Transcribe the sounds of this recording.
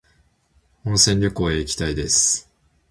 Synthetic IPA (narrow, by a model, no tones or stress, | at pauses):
õñsẽ̞ɲʲɾʲo̞koːeikʲi̥t̪aid̪e̞sɨ̥